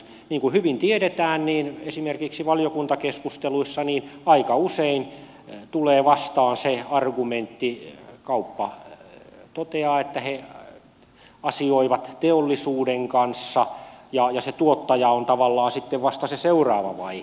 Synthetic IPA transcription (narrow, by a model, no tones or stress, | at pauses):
niːŋkuhyʋint̪ieɾet̪æːnniːnesimerkiksiʋɑlijokunt̪ɑkeskust̪eluisːɑniːnɑikɑusein | t̪uleːʋɑst̪ɑːnseɑrɡument̪ːikɑupːɑ | t̪ot̪eɑːet̪ːæhe | ɑsioiʋɑt̪t̪eolːisuːdeŋkɑnsːɑjɑjɑset̪uot̪ːɑjɑont̪ɑʋɑlːɑːnsit̪ːeʋʋɑst̪ɑseseurɑːʋɑ̰ʋɑ̰ih